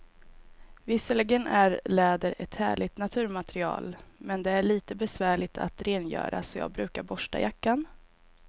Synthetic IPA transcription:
vɪsəlɪɡənʔæɾlɛːd̪əɾɛt̪hæ̰ːɭɪt̪nat̪ʰʉ̟ːɾmat̪ɾɪɑ̰ːlmɛnd̪ɛæɭiːt̪əbɛsvæːɭɪt̪ʰa̰t̪ɾeːnjœ̰ːɾa̰sɔjɑ̰ːɡ̚bɾʉ̟ːkaɾbɔʂʈa̰jakːan

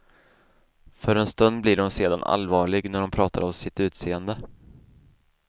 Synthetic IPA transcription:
fœɾɛnst̪ɵnd̪̚blɪɖɔmseːd̪a̰nʔa̰lvɑːɭɪɡnæɖɔmpʰɾɑːt̪ʰaɾɔmsɪt̪ʉ̟ːt̪seːənd̪ə

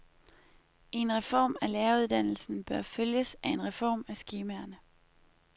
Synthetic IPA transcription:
e̝nʁɛfɒ̰ːmælɛɐuð̞ˠd̥æn̰l̩sn̩b̥ɶɐføljəsæe̝nʁɛfɒ̰ːmæsɡ̥iːmæɐnə

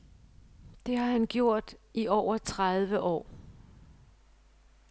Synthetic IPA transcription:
d̥e̝hɑ̈hænɡ̥jo̝ɐ̰d̥iʔɒʊ̰ɐt͡sʰʁaðˠʋəʔɒ̰ː

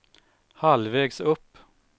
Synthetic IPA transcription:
hɑlʋeːɡsʊp

